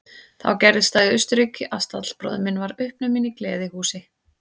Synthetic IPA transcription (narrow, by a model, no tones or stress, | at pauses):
θa̰wcɛɾðɪst̪aːɣɪʏst̪ʏɾicːɪʔast̪at̪l̥pɾɔ̰ːðʏmɪnvaɾʏhpnʏmɪniklɛ̰ːðɪhuːsɪ